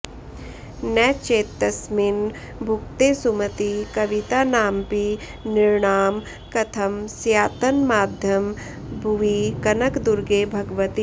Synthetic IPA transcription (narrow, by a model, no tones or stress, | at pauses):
nɛːt͡ʃeːt̪ːɐsmin | bʱʊkt̪esumət̪ikɐʋit̪aːnaːmpi | nɪɾɳaːm | kɐt̪ʰɐmsjaːt̪ənmaːd̪ʱjɐm | bʱuʋikɐnəkd̪uɾɡeːbʱɐɡʋət̪i